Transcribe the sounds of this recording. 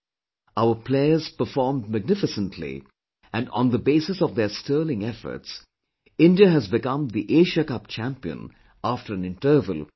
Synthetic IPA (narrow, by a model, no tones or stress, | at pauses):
aʊəpʰleɪəz̥pə˞fɔːɹmdmæɡ̚nɪfɨsə̃ntʰlḭ | æ̃nə̰̃nðəbeɪsɨsɔvðəstɜːlɪ̃ŋɛfə̰˞ts | ɪ̃ndiəɦæzbɪkʌ̃mðiʔeɪʒəkʌp̚t͡ʃʰæ̃mpiə̰̃n | aftə˞ɨ̃nɪ̃ntə˞və̰lˠ